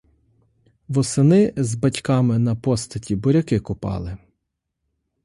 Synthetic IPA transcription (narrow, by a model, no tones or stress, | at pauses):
ʋɔsɪnɪzbɐtʲkɑmɪnɐpɔst̪ɐtʲibɔɾʲɐkɪkʊpɑ̰lˠɪ